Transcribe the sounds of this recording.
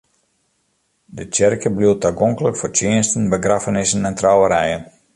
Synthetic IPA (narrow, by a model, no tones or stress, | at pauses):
dət͡ʃɛrkəbliətaɡoŋkələkfort͡ʃɪənstənbəɡrafənɪsənɛntrawəɾɛjən